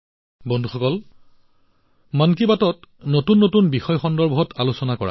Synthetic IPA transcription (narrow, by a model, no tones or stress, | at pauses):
bɔndʱuxɔkɔl | mankibatɔtnotunːotunbixɔjxɔndɔɹbɔɦɔtalusɔnakɔɹa̰